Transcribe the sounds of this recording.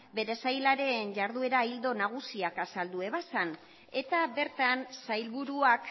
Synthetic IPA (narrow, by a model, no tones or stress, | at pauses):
be̞ɾe̞sajlaɾe̞ːnɟaɾðue̞ɾaild̪o̞naɣ̞usiakasald̪ue̞β̞asan | e̞t̪aβe̞ɾt̪ansajlβuɾuak